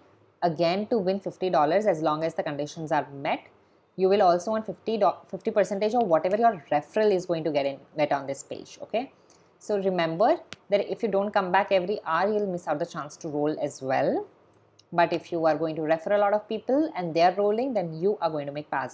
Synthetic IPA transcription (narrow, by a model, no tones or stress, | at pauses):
əɡɛ̃nʈuʋɪ̃nfɪfʈiɖɔːləɾzæzlɔ̃ːŋɛzd̪əkə̃ɳɖɪʃə̃nzaːɾmɛʈ | juːʋɪlɔːlsoːʋɔ̃ːnʈfɪfʈiɔfɪfʈipəɾsɛ̃ɳʈed͡ʒɔːʋʋɔʈɛʋəɾjoːɾɾɛfəɾəlɪzɡoːɪ̃ŋʈuɡɛʈɪ̃nɡɛʈɔ̃ːnd̪ɪspḛːd͡ʒo̰ːke | soːɾɪmɛ̃mbəɾd̪æʈɪfjuɖõːɳʈ̚kʌ̃mbækɛʋɾiʔaːɾjuːɪlmɪsaʊʈ̚d̪ət͡ʃãːnsʈuɾoːlɛzʋɛ̰l | bʌʈɪfjuːaɾɡoːɪ̃ŋʈuɾɛfəɾəlɔːʈɔʋpiːpəlɛ̃nɖd̪eaɾːoːlɪ̃ŋd̪ɛ̃njuːʔaɾɡõːɪ̃ŋʈumeːk̚pa̰ːs